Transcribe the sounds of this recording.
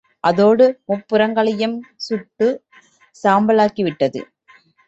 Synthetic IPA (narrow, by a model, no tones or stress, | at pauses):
ʔɐðoːɽɯmʊpːɯɾɐŋɡɐɭɐjɯmsʊʈːɯ | saːmbɐlaːkiʋɪʈːɐðɯ̰